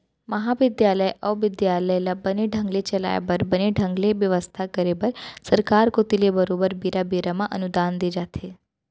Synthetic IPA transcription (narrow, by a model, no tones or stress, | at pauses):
məɦaʋɪd̪jaləjʔəʋʋɪd̪jaləjlabəneɖʱə̃ŋɡlet͡ʃəla̰j̰bəɾbəneɖʱə̃ŋɡleʋjəʋəst̪ʰakəɾebəɾsəɾkaɾkot̪ilebəɾobəɾbiɾabiɾamãʔənud̪and̪ed͡ʒat̪ʰe